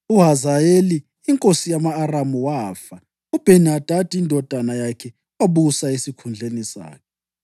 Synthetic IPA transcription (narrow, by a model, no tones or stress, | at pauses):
uɦazajeliː | ŋkʼosijamaːramuwafa | ub̥ʱɛnad̥ʱad̥ʱindʱɔd̥ʱanajakʰɛ | waβusaesikʰund͡ɮʱenisa̰ːkʰɛ